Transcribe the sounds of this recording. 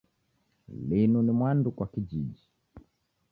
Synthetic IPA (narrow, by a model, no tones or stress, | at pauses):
linunimwandukwakiʄiʄi